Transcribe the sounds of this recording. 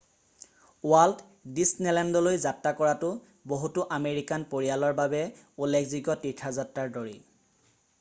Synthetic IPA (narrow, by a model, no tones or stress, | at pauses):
wald | disnɛlɛndɔlojzatɹakɔɹatʊ | boɦutʊʔameɹikanpoɹialɔɹbabɛ | ulːekʰziɡɔtitʰazatɹaɹdoɹḭ